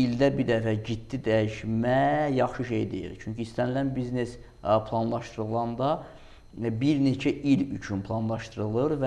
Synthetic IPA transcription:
ild̪æbiɾd̪æfæɟit̪ːid̪æjiʃmæjɑχʃɯʃe̞̰jd̪e̞̰jḭlt͡ʃʰyɲciist̪ænilænbizne̞s | pʰlˠɑnlˠɑʃt̪ɯɾɯlˠɑnd̪ɑ | biɾne̞t͡ʃʰæʔilyt͡ʃʰynpʰlˠɑnlˠɑʃt̪ɯɾɯlˠɯɾvæ

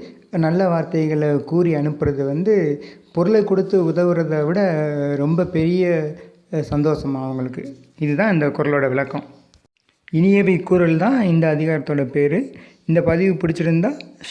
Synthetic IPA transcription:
nɐlːɐʋaːɾt̪ɐɪɣɐɭkuːɾiɐɳɯpːɯɾɐðɯʋɐnd̪ɯpɔɾɯɭɐɪkɔɽɯt̪ːɯʊðɐʋɯɾɐðɐʋɪɽɐɾɔmbɐpɛɾɪjɐ | sɐnd̪oːsɐmaʋɐŋɡɐɭɯkːɯ | ɪðɯt̪ãːɪnd̪ɐkʊɾɐloːɽɐʋɪɭɐkːɐ̃ | ɪnɪjɐʋɐɪkːuɾɐlt̪ãːɪnd̪ɐːðɪɣaːɾɐt̪ːoːɽɐpeːɾɯ | ɪnd̪ɐpɐðɪʋɯpʊɽɪt͡ʃːɪɾɯnd̪aː

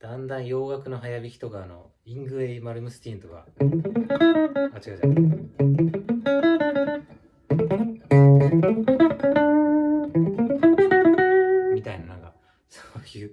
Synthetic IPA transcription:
d̪̥ãnd̪ãɰ̃jo̞ːɡakɯ̟no̞ɦajabʲikʲi̥t̪oɡaːno̞̰ | ĩŋɡɯ̟eimaɾɯ̟mɯsɨ̥t̪ʲĩnt̪oɡa̰ | at͡ɕiɡa | mʲit̪ainanãŋka̰ | soːjɯː

